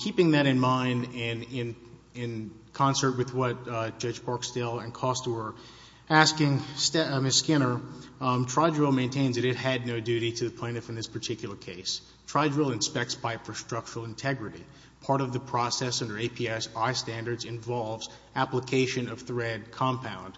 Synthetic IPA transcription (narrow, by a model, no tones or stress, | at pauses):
kʰipɪ̃ŋðɨɾɨ̃nmãɪ̃ndɪ̃nɪ̃n | ɪ̃n | kʰɑ̃nsə˞t̚wɨðwʌt̚d̥ʒ̥ʌd͡ʒpʰɑɹksteɪlˠɨ̃nkʰɔstəwə˞ | æskɪ̃ŋstmɪskɪ̃nə˞tʰɹ̥aɪdɹɪlˠmẽɪ̃ntʰẽɪ̃nzðɨɾɨt̚ɨdⁿnoʊdʉɾiɾɨðɨpʰl̥ẽɪ̃nɨfɨ̃n̩ðɪspʰə˞tʰɪkjl̩ˠə˞kʰeɪs | tʰɹ̥aɪd͡ʒɹɪlˠɨ̃nspɛk̚tspʰaɪpfə˞stɹ̥ʌk̚t͡ʃəɹl̩ˠɨ̃ntʰɛɡɹɨɾḭ | pʰɑɹɾʌvðɨpʰɹ̥ɔsɛsʌ̃ndə˞eɪpʰiɛsaɪstæ̃ndə˞dzɨ̃ɱvɑlˠvz | æpləkʰeɪʃɨ̃nʌv̥θɹɛd̚kʰɑ̃mpʰãʊ̃nd̥